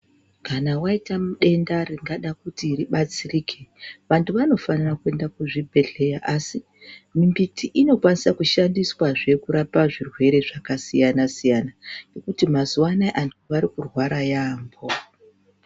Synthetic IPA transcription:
kanawaitamuɗe̞ndariŋɡaɗakutiriɓat͡siriːkʰe̞ʋantuʋano̞fanirakue̞ndakuʐibʱe̞ɮe̞jaʔasi | mimbitʰiʔino̞kwanisakuʃandiswaʐe̞kuɾapaʐirwe̞ɾe̞ʐakasijanasijanane̞kutimazuwanaʔantuʋaɾikurwaɾajaːmbo̞

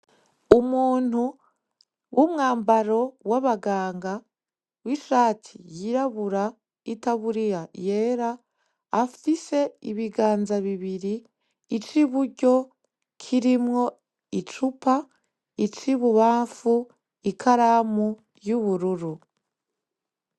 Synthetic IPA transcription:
umuːn̥hu | wumŋaːmbaɾo̞waβaɡaːŋɡa | wiʃaːtʰijiɾaβuɾa | itaβuɾijaje̞ːɾaː | fise̞ḭβiɡaːnzaβiβiɾiː | t͡ʃiβuɾɟo̞ | kʰiɾimŋo̞ | it͡ʃupa | it͡ʃiβuβaːɱfu | ikʰaɾamu | juβuɾuɾu

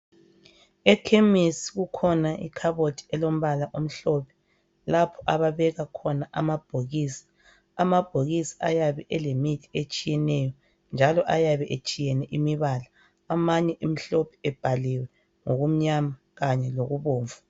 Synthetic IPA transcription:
ɛkʰemisi̥ɣukʰɔnaʔḭkʰaβotʰi̥ɛlom̩βalaʔom̩ɬɔpʰɛ̥ | lapʰɔ̥ʔaβaβɛɣakʰɔnaʔa̰mab̥ʱoɣiːsi̥ | amab̥ʱoɣisi̥ajaβɛʔɛlemitʰi̥et͡ʃʼijɛnɛjɔ | nd͡ʒʱalɔʔajaβɛʔet͡ʃʼijɛnɛʔimiβalaː | maɲɛʔim̩ɬɔpʰɛ̥ɛb̥ʱaliwɛ | ŋoɣum̩ɲama | ɣaɲɛloɣuβoːɱvu

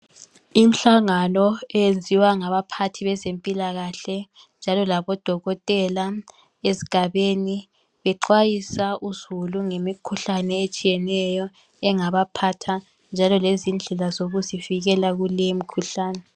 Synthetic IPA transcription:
im̩ɬaŋanɔɛjend͡zʱiwaŋaβapʰatʰiβɛzempʼilaɣaɬɛ | nd͡ʒʱalɔlaβɔd̥ʱɔɣɔtʼɛla | ezi̥ɡ̥ʱaβeni | βɛǃwajisaʔuzuluŋemikʰuɬanɛet͡ʃʼijɛnɛjɔ | ɛŋaβapʰatʰa | nd͡ʒʱalɔlezind͡ɮʱɛlazoɣuziviɣɛlaɣulɛmikʰuɬaːnɛ

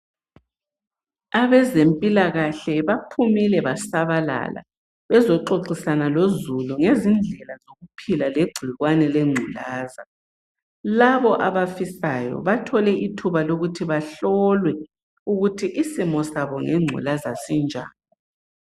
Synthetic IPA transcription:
aβɛzempʼilaɣaɬɛβapʰumilɛβasaβala̰la̰ | βɛzɔǃoǀisanalozuluŋezind͡ɮʱɛlazoɣupʰilaleɡ͡ǀʱuiɣwanɛleŋ͡ǀʱulaːza | laβɔʔaβafisajɔ̰βatʰɔlɛʔitʰuβaloɣutʰiβaɬɔlwɛ | uɣutʰiʔisimɔsaβɔŋeŋ͡ǀʱṵlazasind͡ʒʱa̰ːnɔ

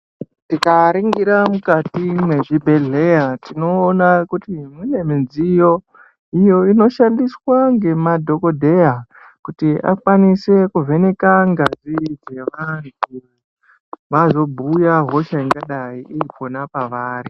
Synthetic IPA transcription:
tikaɾiŋɡiɾamukatimwe̞ʐibʱe̞ɮe̞jatino̞ːnakutimwine̞minzijo̞ | ijo̞ino̞ʃandiswaŋɡe̞madʱo̞ko̞dʱe̞ja | kutiʔa̰kwanise̞kuve̞ne̞kaŋɡazid͡ze̞ʋantu | ʋazo̞bʱujaɦo̞ʃaiŋɡaɗaiiipo̞napaʋaːɾi

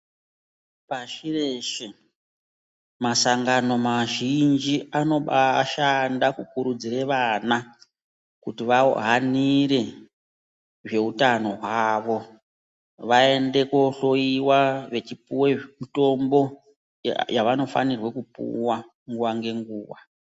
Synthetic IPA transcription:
paʃireʃe | masaŋɡano̞maʒind͡ʒiano̞ɓaʃandakukuɾud͡zireʋana | kutiʋao̰ɦaniɾe̞ | ʐe̞utano̞ɦwaʋo̞ | ʋae̞nde̞ko̞ɬo̞iwaʋe̞t͡ʃipuwemuto̞mbo̞ | jaʋano̞fa̰nirwe̞kupṵwa | ŋɡuwaŋɡe̞ŋɡuːwa

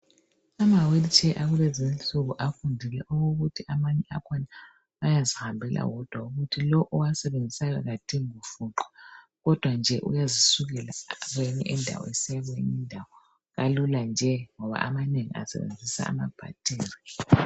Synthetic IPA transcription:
amawelit͡ʃʰʼɛʔaɣulezint͡ɬuɣuʔafundʱilɛʔoɣoɣutʰiamaɲɛa̰kʰɔna | ajazihambʱɛlʔa̰wɔd̥ʱwauɣutʰilɔʔɔwasɛβend͡zʱisakaɣatʰiŋiufuǃɔ̥ | ɣɔd̥ʱwand͡ʒʱɛʔṵjazisuɣɛla̰ɣweɲɛʔɛndʱa̰wɔ̰esijaɣḛɲindʱawɔ | ɣaluland͡ʒʱɛŋɔβa̰ʔamaneŋḭa̰sɛ̰βḛnd͡zʱisa̰ːma̰b̥ʱa̰tʰʼiːri

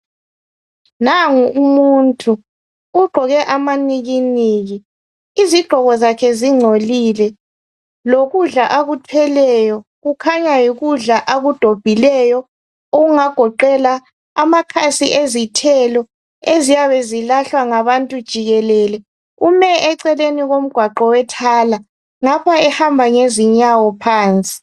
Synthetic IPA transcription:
naŋuumuntʼuː | ɡ͡ǃʱɔɣɛʔamaniɣiniːɣi | iziɡ͡ǃ̥ʱɔɣɔzakʰɛziŋ͡ǀʱolilɛ | loɣuɮaʔaɣutʰɛlɛjɔ | ɣukʰaɲajiɣuɮaʔaɣud̥ʱob̥ʱilɛjɔ | oɣuŋaɡ̥ʱɔǃɛla | amakʰasiʔezitʰɛlɔ | ezijaβɛzilaɬwaŋaβantʼud̥ʒ̥ʱiɣɛlɛlɛ | umɛʔɛǀɛleniɣom̩ɡ̥ʱwaǃɔwɛtʰaːla | ŋapʰaɛhambʱaŋeziɲawɔpʰaːnt͡sʼi̥

